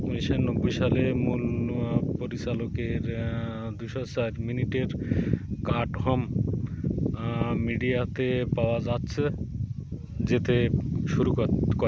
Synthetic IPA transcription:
uniʃanobːojʃalemuluapoɾit͡ɕalokeɾd̪ujʃoɦasaɾminiʈeɾkaɾɖhɔm | iɖijat̪epaoad͡ʑatːɕʰe | d͡ʑet̪eʃuɾukkoɾe

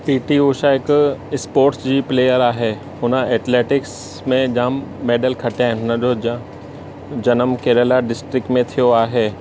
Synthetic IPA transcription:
piːʈioːʃaɪkɪspoːɾʈsd͡ʑiːpleːjəɾaːɦeː | ɦʊnəɛːʈleːʈɪks | mẽd͡ʑãːmːeːɖəlkʰɐʈaːɦɪ̃nɦʊnəd͡ʑoa | d͡ʑɐnəmkeːɾəlaɖɪsʈɾɪkʈmẽt̪ʰijoaːɦeː

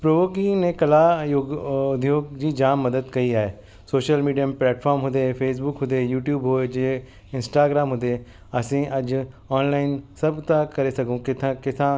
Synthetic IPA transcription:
pɾoːʋoːkiːnẽːkəlaːjoɡd̪joːɡd͡ʒiːd͡ʒaːmːəd̪əd̪kəiːaːeː | soːʃəlmiːɖijəplɛːʈpʰɔːɾmɦʊ̃nd̪eːpʰeːs̬bʊkɦʊ̃nd̪eːjuːʈjuːbɦoːd͡ʒeː | ɪnsʈaːɡɾaːmɦʊ̃nd̪eː | əsĩːʔəd͡ʒ | ɔːnlaːɪnsəbt̪ãːkəɾeːsəkũːkɪt̪ʰãːkɪt̪ʰãː

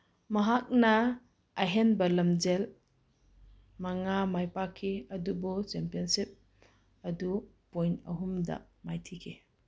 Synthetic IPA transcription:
maɦak̚naː | ɦenbɐlɐmd͡ʒel | maŋamajpakʰːeɐdubɔt͡ʃempiɔnsip̚ | ɐdu | pojnɐ̰ɦumda̰ | majtʰikʰe

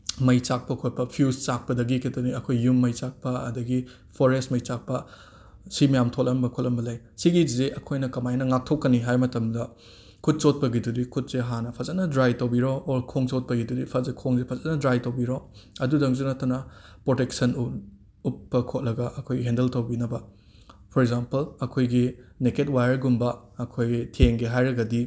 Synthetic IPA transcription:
mɐjt͡ʃak̚pɐkʰot̚pɐpʰiust͡ʃak̚pɐdɐɡikʰitoniɐkʰojːumːɐjt͡ʃak̚pɐɐ̰dɐɡi | pʰoɾestmɐjt͡ʃak̚pɐ | simɐjamtʰotlɐmbɐkʰot̚lɐmbɐlɐj | siɡizeʔɐkʰojnɐkɐmajnɐŋak̚tʰokːɐniɦajmɐtɐmdɐ | kʰut̚t͡ʃot̚pɐɡidudikʰut̚z̥eɦanɐpʰɐzɐtnɐdɾajtɐwbiɾoːɾkʰoŋsot̚pɐɡidudipʰɐzɐkʰoŋzepʰɐzɐtnɐdɾajtɐwbiɾoɐdudɐŋzunɐtːɐnɐpɾoteksɐnu | upːɐkʰot̚lɐɡɐʔɐkʰojɡiɦendeltɐwbinɐbɐ | pʰɔɾekzampɐlɐkʰojɡineket̚wajɐɾɡumbɐ | ɐkʰojɡitʰeŋɡeɦajɾɐɡɐdi

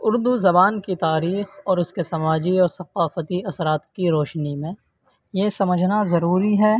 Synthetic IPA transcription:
ʊɾd̪uzɐbaːnkit̪aːɾiːxɔːɾʊskesɐmaːd͡ʒiɔːɾsɐqaːfət̪iɐsɾaːt̪kiɾɔːʃnimẽ | jesɐməd͡ʒʱnazɐɾuːɾiɦɛː

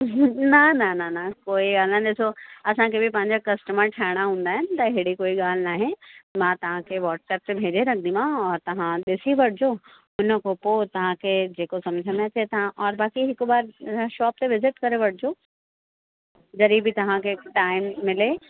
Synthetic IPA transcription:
nɐnɐnɐnɐkoːiɡaːlnaɗɪsoɐsãkʰebʱipɐ̃ɦɪ̃ɲd͡ʑakɐsʈəməɾʈʰaːɪɽ̃aɦũːn̆d̪aːɦɪnɪ̆t̪ɐɪɦɽikoːiɠaːl̤naːɦɪ̃mãːt̪ɐʋ̤ãkʰeʋɔːʈsɛːp̚t̪ebʱeːd͡ʑeɾɐnd̪imãɔːɾt̪ɐʋ̤ãɗɪsiʋɐʈʰɪd͡ʑo | ʊnəkopot̪ɐʋ̤ãkʰed͡ʑeːkosɐ̃md͡ʑʱəmet̪ʰet̪ɐãʔɔːɾbaːkiɦɪkbaːɾʃɔːp̚t̪eʋɪzɪʈkɐɾeʋɐʈ̚ʰd͡ʑoː | d͡ʑɐɾibʱɪt̪ɐʋ̤ãkʰeʈaːɪmːɪle

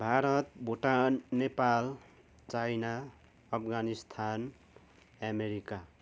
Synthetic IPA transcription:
bʱaɾʌt̪bʱoʈannepal | t͡sajna | ʌpʰɡanist̪ʰan | ameɾika

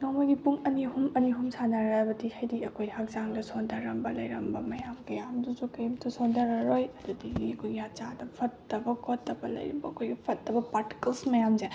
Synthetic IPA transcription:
nomojɡipuŋɐnihumɐniɦumsanaɾaɐbɐdihajdiɐkʰojhak̚zaŋdɐsondɐɾɐmbɐlɐjɾɐmbɐmɐjamɡɐjamduzukɐjmtʰusondɐɾɐɾojɐdudiɡiɐkʰojɡiat͡ʃadɐpʰɐtːɐbɐkʰotːɐbɐlɐ̰jɾɐ̰bɐɐkʰojɡipʰɐtːɐbɐpaɾti̥kɐlsmɐjamze

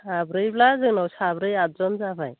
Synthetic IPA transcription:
abɾɯjblazɯŋnawsabɾɯjatzɔmzaba̰j

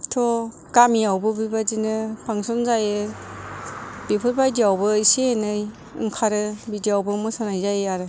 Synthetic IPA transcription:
tʰɔ | ɡ̥amiawbɯbibadinɯpʰaŋsɔnzajɯ | b̥ipʰɯɾbajdiawbɯiseːnɯj | ɯ̰ŋkʰaɾɯbidiawbɯmɯsanajzajɯaɾɯ

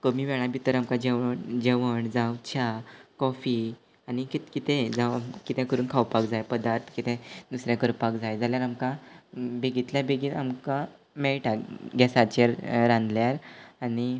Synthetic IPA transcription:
kəmiːʋɛɭ̃abʱit̪əɾamkad͡ʑeʋəɳd͡ʑeʋəɳd͡zawt͡ɕʰakɔfi | añikt̪kit̪ẽd͡zakit̪ɛ̃kəɾuːnkʰawpakd͡zajpəd̪aɾt̪ʰkit̪ẽd̪usɾjãkəɾpakd͡zajd͡zaljaɾamkãbeɡit̪ljabeɡiːla̰mka | mɛɭʈaɡɛsat͡ɕeɾɾãnd̪ljaɾani

